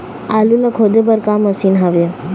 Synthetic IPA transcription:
aːlunɐkʰod̪ʱebəɾkaːmːɐsinɦaʋe

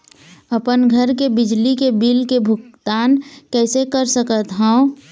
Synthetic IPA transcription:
əpənɡʱəɾkebɪd͡ʒlikebiːlkebʱʊkt̪aːnkɛːsekəɾsəkət̪ɦãõ

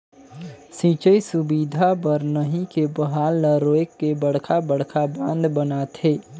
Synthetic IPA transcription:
sĩt͡ʃəisubid̪ʱabəɾnəɦikebəɦaːlːəɾoekːebəɽ̤kʰabəɽ̤kʰabə̃nd̪bənat̪ʰeː

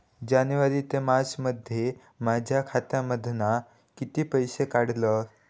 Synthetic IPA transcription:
d͡ʑanʋaɾiːt̪emasməd̪ʱːje | mad͡ʑʱjakʰat̪jaməd̪ʱna | kit̪iːpəjsekaɽ̤lə

